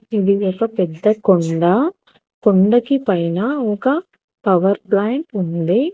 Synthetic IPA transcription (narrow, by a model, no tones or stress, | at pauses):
iðɯʋɔkːɐpɛd̪ːɐkɔɳɖɐ | kɔɳɖɐkːipɐjnaokɐ | pɐʋɐɾplaːɳʈund̪e